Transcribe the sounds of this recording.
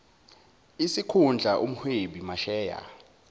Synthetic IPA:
isikʰund͡ɮʱaʔom̩hweɓimaʃɛːja̰

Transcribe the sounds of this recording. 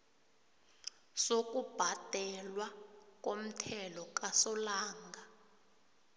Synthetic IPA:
sok̬ʼub̥ʱad̥ʱɛlwak̬ʼom̩tʰɛlɔkasɔlaːŋɡa

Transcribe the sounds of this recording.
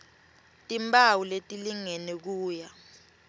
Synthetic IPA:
tʼimbʱʼawuletʼiliŋɛnɛk̬uːja

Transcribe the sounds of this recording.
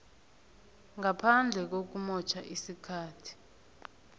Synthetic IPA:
ŋapʰand͡ɮʱɛk̬ok̬umɔt͡ʃʰaʔisikʰaːtʰi̥

